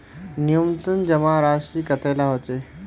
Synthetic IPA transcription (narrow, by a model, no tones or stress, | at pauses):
nijumt̪ənd͡ʑəmaɾaʂiːkət̪ʰajlaɦot̪e